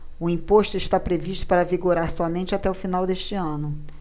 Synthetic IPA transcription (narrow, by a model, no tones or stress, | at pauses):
ʊĩpoʃt̪ʊɪʃt̪apɾeviʃt̪ʊ̥paɾɐviɡoɾaɾsɔmẽnt͡ʃɪat̪ɛʊfinawd̪eʃt͡ʃɪɐ̃nʊ